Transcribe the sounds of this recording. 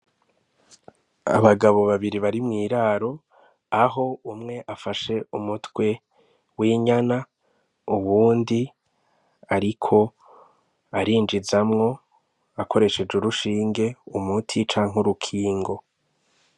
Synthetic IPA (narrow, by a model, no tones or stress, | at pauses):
a̰βaɡaβo̞βaβiɾiβaɾimŋiːɾaːɾo̞ | aɦo̞umŋe̞ʔafaʃe̞umutwe̞ | wiɲana | uβuːndi | aɾikʰo̞ | aɾiːnd͡ʒizamŋo̞ | akʰo̞ɾe̞ʃe̞d͡ʒuɾuʃiːŋɡe̞umutʰit͡ʃaːŋ̥oɾukʰiːŋɡo̞